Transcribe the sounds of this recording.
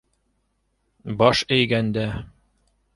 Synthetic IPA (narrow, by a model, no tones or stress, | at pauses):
bɒʃɘ̆jɡænd̪æ